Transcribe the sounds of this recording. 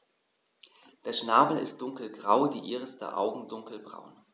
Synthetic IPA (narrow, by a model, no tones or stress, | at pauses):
d̥eːɐʃnaːbl̩ɪ̰st̚d̥ʊŋkl̩ɡʁaʊdiːʔiːʁəsd̥ḛɐʔa̰ʊɡŋ̩dʊŋkl̩bʁa̰ʊn